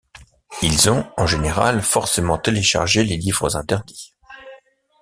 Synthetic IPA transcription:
ilzɔ̃ɑ̃ʒeneʁa̰lfɔʁsemɑ̃t̪eleʃa̰ʁʒelelivʁəzɛ̃t̪ɛʁd̪i̥

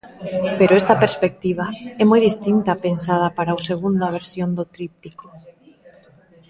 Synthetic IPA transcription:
peɾoest̪apeɾspek̚t̪iβ̞aɛmojðist̪int̪apensað̞apaɾauseɣ̞und̪aβ̞eɾsjond̪ot̪ɾip̚t̪iko̥

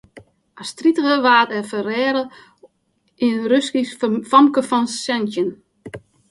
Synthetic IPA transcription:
astritəɣəʋaːtɛfəɾɛːɾə | inrøskifɔmkəfɔnsɛntjən

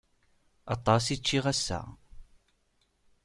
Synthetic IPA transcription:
ɑt̪ˤːɑsit͡ʃːiʁæsːæ̰

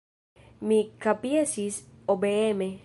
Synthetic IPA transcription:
mikapiasisobeeme

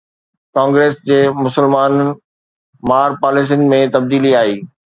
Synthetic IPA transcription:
kãːŋɡɾeːsd͡ʑeːmʊsəlmaːn | maːɾpaːlɪs̬ɪnmẽt̪ɐb̚d̪iːliaːɦiː

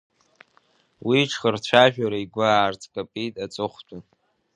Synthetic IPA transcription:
wiʈ͡ʂʰχərt͡ɕʷʰaʒᶣaɾaiɡʷʊaːrt͡sʰʼkʼapʼitʼat͡sʼɨχʷtʰʼa

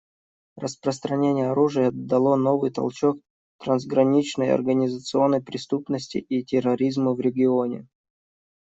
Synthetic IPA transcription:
rəspɾəst̪ɾɐnʲenʲɪjəɐɾuʐɨjəɐd̪ːɐlˠo̞no̞vɨjt̪ɐ̰lˠt͡ɕo̞k̚ | t̪ɾənzɡɾɐnʲit͡ɕnəjɐ̰rɡənʲɪzət̪sɨo̞nːəjpɾʲɪst̪upnəsʲtʲɪ̰ʔitʲɪrɐɾʲizməvɾʲɪɡʲɪonʲɪ̰

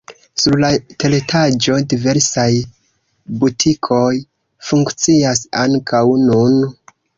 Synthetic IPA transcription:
suɾlatele̞tʰad͡ʒo̞dive̞ɾsaj | butʰikʰo̞j | fuŋkt͡siasa̰ŋkʰawnun

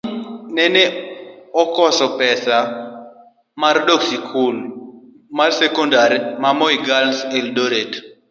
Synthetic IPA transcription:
nɛneɔkɔsɔpɛsa | marɗoksikʰul | marsɛkɔndaɾmamɔjɡalseldoɾet

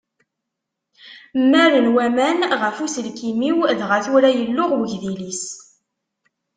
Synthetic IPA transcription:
mːæɾənwæmænʁəfusəlkimiwðʁəθuɾæjəlːʊʁwəʝðilis

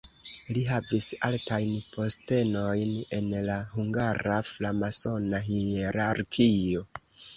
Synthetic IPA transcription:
liɦavisaltajnpʰo̞ste̞no̞jne̞nlaɦuŋɡaɾaflamaso̞naɦieɾaɾkʰio̞

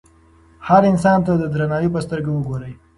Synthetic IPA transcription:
haɾɪns̬ɑnt̪ad̪əd̪ɾanɑjopəst̪əɾɡawəɡoɾəj

